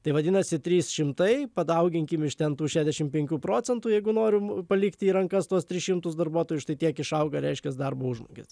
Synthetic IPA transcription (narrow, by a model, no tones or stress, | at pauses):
t̪ɐɪʋɐd̪ʲɪːnɐsʲɪt̪ʲɾʲiːsʃʲɪmt̪ɐɪpɐd̪ɐʊɡʲɪŋʲkʲɪmɪʃt̪ʲɛnt̪uːʃʲæːzʲd̪ʲɛʃʲɪmpʲɛŋʲkʲuːpɾoːt͡sʲɛnt̪uːjɛɪɡʊnoːɾʲʊpɐlʲikt̪ʲiːɾɐŋkɐst̪uɔst̪ʲɾʲɪsʃʲɪmt̪ʊsd̪ɐrbuɔt̪oːjʊʃt̪ɐɪt̪ʲiɛkɪʃɐʊɡɐɾʲɛɪʃʲkʲɛsd̪ɐrboːʊʒmo̰ːɡʲḛs